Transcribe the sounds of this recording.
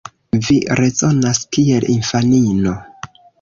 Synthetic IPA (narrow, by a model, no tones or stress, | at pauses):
viɾe̞zo̞naskielinfanino̞